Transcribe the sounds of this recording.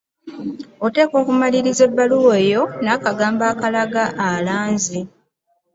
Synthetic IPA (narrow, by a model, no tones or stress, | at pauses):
o̞te̞ːko̞ːkumaliɾize̞bːaluwe̞ːjo̞naːkaɡaːmbaːkalaɡaʔːlaːnzi